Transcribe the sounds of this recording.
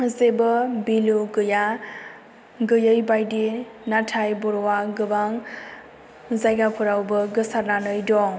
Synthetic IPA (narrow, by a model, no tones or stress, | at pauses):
zebʌbiluɡɯja | ɡɯjəjbajdi | natʰajbɔɾɔwaɡɯbaŋ | zajɡapʰuɾawbʌɡɯsaɾnanɯjdɔŋ